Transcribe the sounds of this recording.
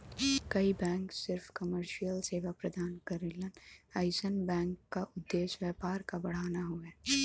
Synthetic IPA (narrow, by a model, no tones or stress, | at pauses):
kɐibɛ̃ːŋksɪɾfkɐməɾʃijəlseːʋapɾɐd̪aːnkɐɾɪlənaːɪsənbɛ̃ːŋkːaʔʊd̪ːeːʃwjɛːpaːɾkabɐɽ̤aːnaɦuɛː